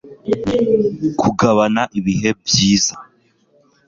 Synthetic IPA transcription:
kʰuɡaβanaʔiβiɦe̞bjiːza

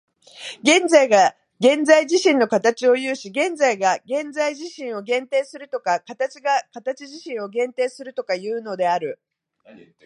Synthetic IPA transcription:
ɡẽ̞nd͡zaiɡa | ɡẽ̞nzaiʑiɕĩnːo̞kat̪at͡ɕio̞jɯ̟ːɕiɡẽ̞nd͡zaiɡaɡẽ̞nd͡zaiʑiɕĩɰ̃o̞ɡẽ̞nt̪e̞ːsɨɾɯ̟t̪o̞kakat̪at͡ɕiɡakat̪at͡ɕiʑiɕĩɰ̃o̞ɡẽ̞nt̪e̞ːsɨɾɯ̟t̪o̞kajɯ̟ːno̞d̪e̞aɾɯ̟

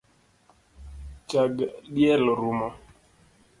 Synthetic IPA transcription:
t͡ʃaɡɗiɛlɔɾumɔ

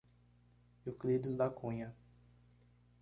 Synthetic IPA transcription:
ʊklidɪzd̪akũɲɐ

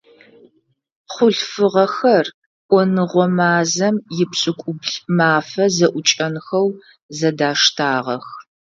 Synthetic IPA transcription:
χʷʊɮfɨʁɐxɐr | ʔʷʼɔnɨʁʷɔmaːzɐmjɪpɕʼɪkʷʼʊbɮmaːfɐzɐʔʷʊt͡ʃʼɐnxɐw | zɐdaːʂtʰaːʁɐ̰x

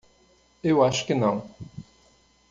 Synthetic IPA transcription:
ewaʃkənɐ̃w̃

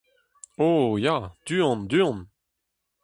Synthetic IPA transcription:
oːjad̪̥yːɔ̃nd̪yːɔ̃n

